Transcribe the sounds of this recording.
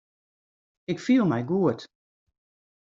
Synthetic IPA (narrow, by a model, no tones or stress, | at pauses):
ɪkfiːlˠmɛjɡuət